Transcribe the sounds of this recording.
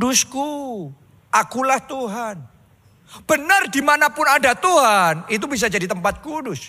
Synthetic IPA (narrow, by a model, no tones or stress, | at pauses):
dʊsku | akulaht̪uɦan | b̥ənərdimanapʊnadat̪uɦanit̪̬ubis̬ad͡ʒadit̪əmpat̪̚kudʊs